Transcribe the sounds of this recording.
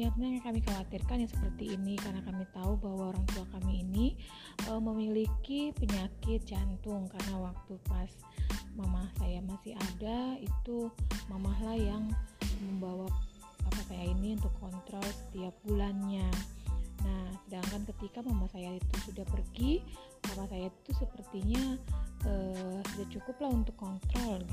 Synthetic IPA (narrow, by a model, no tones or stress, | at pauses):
jaŋsəmaŋakamikawat̪irkanjaŋsə̥pərt̪iːnikarənakamit̪aubaɦwaoɾaŋt̪uakamiːni | ʔəməmilikipəɲakɪt̪̚d͡ʒant̪ʊŋkarənawak̚t̪upas | mamahsajamasɪɦadait̪umamaɦlahjaŋməmbawa | apasajainiunt̪ʊkʰːɔnt̪ɾɔlsə̥t̪iap̚bulanɲa | nahsədaŋkankət̪ikamamahsajait̪usudahpərɡi | mamasajait̪usəpərt̪iɲaəsudaht͡ʃukʊplahunt̪ʊkːɔnt̪ɾɔl